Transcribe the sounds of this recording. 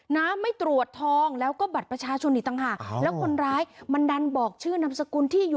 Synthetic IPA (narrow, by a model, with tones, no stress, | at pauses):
naː˦˥mːa˥˩jt̪ɾu˨˩ət̪ʰːɔː˧ŋlɛː˦˥wkɔː˥˩ba˨˩t̪̚pɾa˧t͡ɕʰaː˧t͡ɕʰo˧niː˨˩t̪a˧ŋɦaː˨˩k̚lɛː˦˥wkʰo˧nɾaː˦˥jma˧nda˧nbɔː˨˩k̚t͡ɕʰɯː˥˩na˦˥msa˧kuː˧nt̪ʰiː˥˩ju˨˩